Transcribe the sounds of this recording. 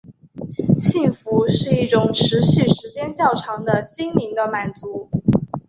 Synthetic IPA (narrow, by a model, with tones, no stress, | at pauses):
ɕi˥˩ŋfu˧˥ʂɻ̩˥˧i˥˩ʈ͡ʂʊ˨˩ŋʈ͡ʂʰɻ̩˧˥ɕi˥˩ʂɻ̩˧˥t͡ɕjɛ˥nt͡ɕjɑ˥˩ʊʈ͡ʂʰɑ˧˥ŋd̪ə˧ɕi˥nli˧˥ŋd̪ə˧ma˨˩nt͡su˧˥